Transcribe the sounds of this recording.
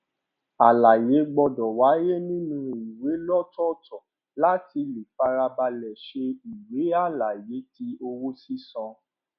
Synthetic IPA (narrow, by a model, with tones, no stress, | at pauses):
a˨la˨je˨˦ɡ͡bɔ˧dɔ˨wa˨˦je˦nĩ˦nũ˦i˨we˨˦lɔ˦˨tɔ˦˨tɔ˨ | la˦ti˧li˨fa˧ɾa˧ba˧lɛ˨ʃe˧i˨we˨˦a˦˨la˨je˨˦ti˧o˧wo˦si˦sɔ̃˧